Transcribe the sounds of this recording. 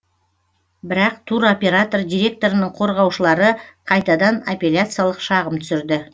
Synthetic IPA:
bɪɾɑq̚t̪ʰuɾopʲe̞ɾat̪o̞rd̪ʲijɾʲe̞k̚t̪o̞ɾənəɴqʰo̞ɾʁɑwʃəlˠɑɾəqʰɑjt̪ɑd̪ɑnapʲe̞lʲat̪sɨjalˠəqʃɑʁəmt̪ʰʏ̥sɪɾd̪ɪ

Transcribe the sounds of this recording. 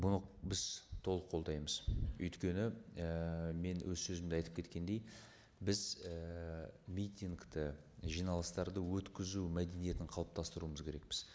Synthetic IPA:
bʊnəqbɪz̥t̪ʰo̞lˠəqʰːo̞lˠd̪ɑjməzɵjt̪kʲe̞nɪəme̞nwʔɵzsɵzɪmd̪ɑjt̪əpkʲʰe̞t̪kʲe̞nd̪e̞j | bɪzə | mʲijt̪iŋɡt̪ə | ʒijnɑlˠəst̪ɑɾd̪əwɵt̪kʲɪzumæd̪e̞nije̞t̪ɪɴqʰɑlˠəp̚t̪ʰɑst̪əɾuəməzkʲʰe̞ɾe̞k̚bɪz̥

